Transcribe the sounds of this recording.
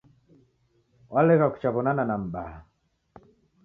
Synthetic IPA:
wʔalɛkaku̥t͡ʃaβɔnananam̩baa

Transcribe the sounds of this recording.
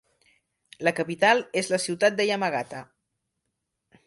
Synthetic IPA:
ləkəpit̪alˠezləsiwt̪at̪̚d̪əjəməɣat̪ə

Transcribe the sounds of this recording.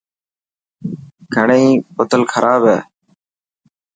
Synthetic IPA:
ɡʱəɳeĩːpʊt̪əlkʰəɾʔaːbɦɛː

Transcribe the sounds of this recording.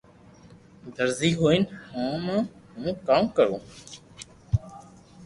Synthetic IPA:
d̪əɾziːɦoːinhãːmãːɦũːkaːmkəɾoː

